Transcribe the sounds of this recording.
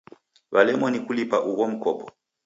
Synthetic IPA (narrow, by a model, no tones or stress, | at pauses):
βalɛmɔnikulipaʔuɣɔm̩kɔpɔ̥